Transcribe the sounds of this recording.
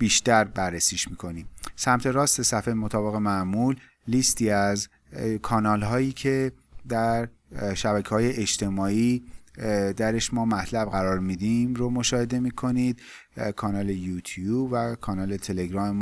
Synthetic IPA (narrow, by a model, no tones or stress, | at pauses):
b̥iːʃt̪æɾbæɾːesiːʃmiːkʰo̞niːmsæmt̪ʰe̞ɾɒːst̪e̞sæfemot̪ʰɒːbe̞ɣe̞mæmulː | iːst̪ʰiːæz | kʰɒːnɒːlɦɒːjiːcʰe̞d̪æɾʃæbæcʰehɒːje̞ʔet͡ʃt̪ʰe̞mɒːiː | d̪æɾeʃmɒːmæt̪ʰlæb̚ɣæɾɒːɾmiːd̪imɾomo̞ʃɒːhe̞d̪e̞miːkʰo̞niːd̪̥ | kʰɒːnɒːle̞juːt̪ʰjuːbvækʰɒːnɒːle̞t̪ʰe̞le̞ɡɾɒːmem